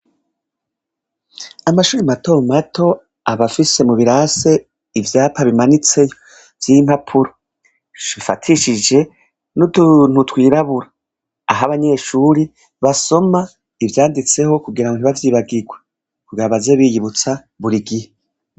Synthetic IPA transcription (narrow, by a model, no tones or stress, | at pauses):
amaʃuːɾimatomatʰo̞ | aβafise̞muβiɾase̞ | ivjaːpʰaβimanit͡se̞jo | vjiːm̥hapʰuɾo | βifa̰tʰiʃid͡ʒe̞ | nudun̥utwiːɾaβuɾaː | ɦaβaɲe̞ʃuːɾi | βaso̞ma | ivjaːndit͡se̞ho̞kuɡiɾaŋɡon̥iβavjiːβaɡiɡwe | kuɡaβaze̞βijiβut͡sa | βuɾiɡihe